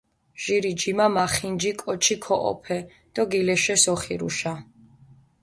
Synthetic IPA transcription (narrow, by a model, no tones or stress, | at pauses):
ʒ̥iɾid͡ʒimamaχind͡ʒikʼɔt͡ʃʰikʰɔʔɔ̰pʰɛ | d̪̥ɔɡilɛʃɛsɔχiɾṵʃa